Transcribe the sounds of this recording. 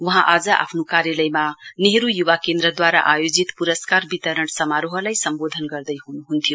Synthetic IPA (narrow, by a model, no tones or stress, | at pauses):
uɦãʔad͡zʌʔa̰pʰnokaɾjʌlʌjmaneɦɾujuβakend̪ɾʌd̪waɾaʔajod͡zit̪puɾʌskarbit̪ʌɾʌnsʌmaɾuɦʌlajsʌmbod̪ʱʌnɡʌrd̪ʌjɦunuɦunt̪ʰijo